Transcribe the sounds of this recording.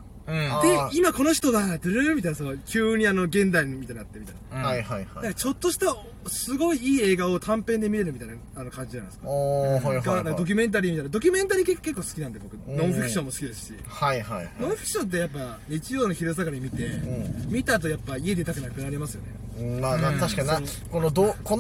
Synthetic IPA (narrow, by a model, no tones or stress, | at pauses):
d̪eimako̞no̞çi̥t̪o̞ɡad̪ɨɾɯmʲit̪ainasookʲɨːɲ̟iano̞ɡẽ̞nd̪aimit̪aiɲnat̪ːemit̪ajnajhajhad̪akːat͡ɕo̞t̪ːo̞ɕi̥t̪a | sɨɡo̞iiːe̞ːɡao̞t̪ʰãmpẽ̞nd̪e̞mʲiɾe̞ɾɯ̟mʲit̪aina | ano̞kãɲ̟d͡ʑid͡ʑanãskaaiɡaãkd̪o̞k̬ʲɨme̞nt̪̬aɾʲiːmʲit̪anad̪o̞kʲɨmẽ̞nt̪aɾikekːe̞kːo̞ːsɨ̥kʲinãnd̪e̞bo̞kɯ̟nõ̞fɸikɯ̟̥ɕõ̞mːosɨ̥kʲid̪esɨ̥ɕḭhaihanõɰ̃ɸi̥kɯ̟̥ɕõ̞nt̪̬ːe̞japːaɲit͡ɕijo̞ːno̞çiɾɯs̬akaɾaɲimʲit̪ẽ̞mʲit̪at̪̬o̞japːaie̞d̪e̞t̪akɯ̟nakɯ̟naɾʲimasɨjo̞̰ne̞ | maːnat̪aɕi̥kaa | konod̪oko